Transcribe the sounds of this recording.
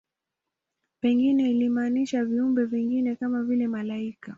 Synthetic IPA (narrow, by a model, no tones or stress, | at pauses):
pɛŋɡinɛilimaːniʃaviumbɛviŋɡinɛkamavilɛmalaika